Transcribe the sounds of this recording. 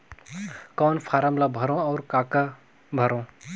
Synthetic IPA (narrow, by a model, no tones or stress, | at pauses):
kɔːnfʰaːɾəmlabʱəɾõɔːɾkaːka | bʱəɾõː